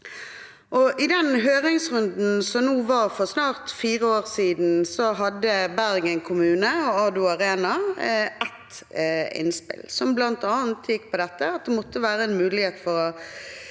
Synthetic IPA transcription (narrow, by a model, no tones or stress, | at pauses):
ʔɔʔɪd̪ɛnɦøːʁɪŋsʁʉnd̪n̩sɔmnuːʋɑɾfɔʁsnɑːʁt̪fiːʁəoːʁsiːd̪n̩sɔɦɑd̪ːəbæɾɡɛŋkʰʊmʉːnəɔɑd̪ʉɑʁeːnɑʔɛt̪ | ɪ̰nspɪ̰lsɔmblɑnt̪ɑːnt̪ʰjɪkːpʰɔd̪ɛt̪ːəɑt̪̚d̪ɛmɔt̪ːəʋæːɾəɛnmʉːlɪheːt̪fɔɾɔ